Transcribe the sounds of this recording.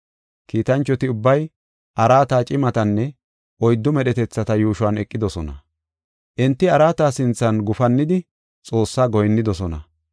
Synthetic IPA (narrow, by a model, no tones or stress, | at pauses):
kiːt̪ɐnt͡ʃːɔt̪ɪʊbːɐj | ʔɐɾaːt̪aːt͡ʃʼɪmɐt̪ɐnːɛ | ʔɔjd̪ːʊmɛɗɛt̪ɛt͡sːɐt̪ɐjuːʃʊwɐnɛkʼːɪd̪ɔsɔnɐ̰ | ʔɪnt̪ːɪɐɾaːt̪aːsɪnt͡sːɐnɡʊfɐnːɪd̪ɪ | t͡sʼo̞ːsːaːɡɔjnːɪd̪ɔsɔnɐ̰